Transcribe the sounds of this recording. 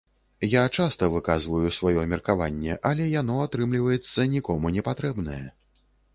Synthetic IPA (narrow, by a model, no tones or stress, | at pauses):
jat͡ʂast̪ɐvɨkazvɐjusvajɔmʲɛrkavanʲːɛʔɐlʲɛjanɔat̪ɾɨmlʲivɐjɛt̪sːɐnʲikɔmunʲɛpat̪ɾɛbnɐjɛ